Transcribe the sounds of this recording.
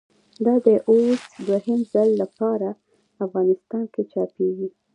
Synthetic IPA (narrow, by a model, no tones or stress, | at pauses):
d̪ɑd̪əʔosd̪wahɪmzalːapɑɾa | afɣɑnɪst̪ɑnket͡ʃɑpeɡi